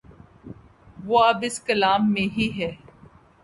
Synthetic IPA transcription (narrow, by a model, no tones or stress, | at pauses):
ʋoːɐbɪskɐlaːmːẽɦiɦɛː